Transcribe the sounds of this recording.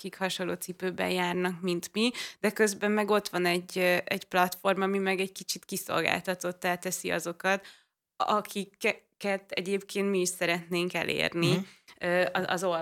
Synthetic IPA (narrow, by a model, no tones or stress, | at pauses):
kikhɒʃonlːo̰ːt̪sipøːbɛ̰jjaːrnɒkmint̪mid̪̥ɛkø̞zbɛmːɛɡo̞t̪ʋɒnɛɟːʔɛɟplɒt̪fo̞rmɒmimɛɡɛɟkit͡ʃit̪kiso̞̰lɡa̰ːlt̪ɒt̪o̞t̪ːɛːlt̪ɛsiɒ̰zo̞kɒt̪ | ɒkʰikkɛt̪ɛ̰ɟeːpkeːnt̪miːʃsɛɾɛt̪neːŋkɛ̰lʔḛːrniøːɒɒ̰zo